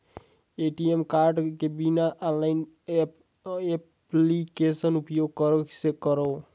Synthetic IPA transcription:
eʈiemkaɾɖkebinaʔãlːaɪn | e | plikesənupjoɡ̚kəɾəksekəɾo

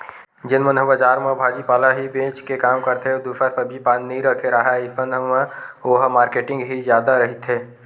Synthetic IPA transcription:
d͡ʒɪnmənɦəbəd͡ʒaːɾmə̃bʱaːd͡ʒipaːlaɦibẽːt͡ʃkekaːmkəɾt̪ʰeed̪uʃəɾsɐbʱipaːnːəɦĩɾɐkʰeɾaːɦaɪsənɦmə̃oːɦmaːɾkeːʈɪ̃ŋɡɦizjaːd̪aɾɐɦɪt̪ɦeː

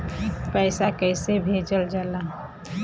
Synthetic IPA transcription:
pəɪsakəɪsebʱeːd͡ʒəld͡ʒəla

